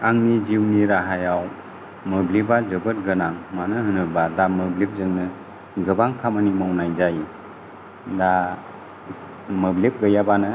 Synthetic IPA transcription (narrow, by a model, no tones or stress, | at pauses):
aŋnid͡ʒiwniɾaɦajaw | mɯblebazɯbɯt̚ɡɯnaŋmanɯɦɯnɯbadamɯblep̚zɯŋnɯ | ɡɯbaŋkʰamanimɔwnajzaj | da | mɯblep̚ɡəjabanɯ